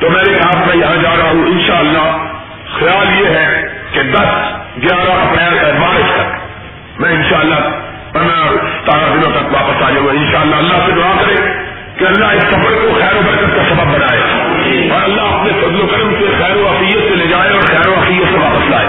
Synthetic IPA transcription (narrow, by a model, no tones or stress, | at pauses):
t̪oːmẽːɾekaːsmaiad͡ʒaːɾɐɦaɦũʔɪ̃nʃaːɐlːa | xɐjaːljeɦɛked̪ɐs | ɡjaːd̪aʔɐpɽeɛmaːɾɪt͡ʃt̪ɐk | mɛ̃ːɪ̃nʃaːəlːa | pɐnat̪aːɾad̪ɪnõt̪ɐkʋaːpəsaːd͡ʒaːũẽɪ̃nʃaːəlːaɐlːaɦsedʊaːkɐɾẽ | keɐlːaɦɪssɐfəɽkoxɛːɾobɐɾkət̪kasɐbəbːɐnaːe | ɔɾɐlːaɦɐpnefɐzloɡɐɾmsexɛːɾoʋaːsɪjət̪seled͡ʒaːeɔːɾxɛːɾoʋaːsɪjːət̪seʋaːpəsla̰ːḛː